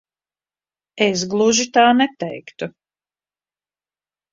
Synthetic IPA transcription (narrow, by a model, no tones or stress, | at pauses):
es̬ɡlˠuʒit̪aːnɛt̪ɛjkt̪u